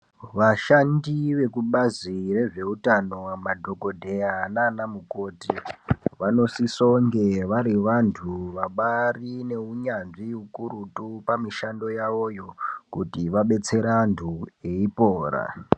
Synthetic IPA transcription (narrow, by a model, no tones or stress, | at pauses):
ʋaʃandiʋe̞kuɓazire̞ʐe̞utano̞madʱo̞ko̞dʱe̞janaːnamuko̞ːtiʋano̞sisoŋɡe̞ʋaɾiʋantʰuʋaɓarine̞uɲanʐiukuɾutupamiʃando̞jaʋo̞jo̞kutiʋaɓe̞t͡se̞ɾantʰue̞ipoːɾa̰